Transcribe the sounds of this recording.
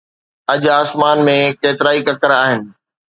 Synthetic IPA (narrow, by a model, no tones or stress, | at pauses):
ɐʄaːsmaːnmẽkeːt̪ɪɾaːikɐkəɾaːɦɪnɪ̆